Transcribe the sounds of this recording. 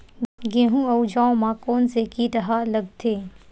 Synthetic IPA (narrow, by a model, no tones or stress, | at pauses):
ɡẽɦũɐwd͡ʒãːõmãkoːnsekid̪ɐɦalɐɡ̚t̪ʰeː